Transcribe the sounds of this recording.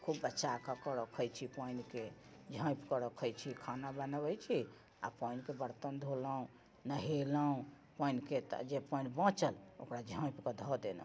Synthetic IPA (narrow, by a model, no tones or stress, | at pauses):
kʰubːətːʃakakəɾəkʰəjt͡ʃʰipənked͡ʒʱə̃jpkəɾəkʰəjt͡ʃʰikʰanabənəbəjt͡ʃʰi | a̰pənkebəɾt̪ənd̪ʱoləũ | nəɦeləũ | pəinket̪d͡ʒepənbə̃t͡ʃəlo̰kɾad͡ʒʱə̃pkɔd̪ʱɔd̪elə̰